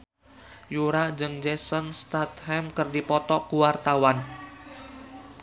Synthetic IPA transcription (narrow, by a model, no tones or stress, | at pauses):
juɾad͡ʒɨŋd͡ʒɛsənst̪at̪hɛmkɨrdipɔt̪ɔkuwart̪awan